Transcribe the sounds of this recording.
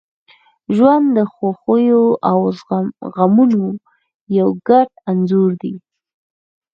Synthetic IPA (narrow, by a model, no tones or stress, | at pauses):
ʒwand̪d̪əxoxojoʔawzaɣamuno | jawɡaʈanzoɾd̪i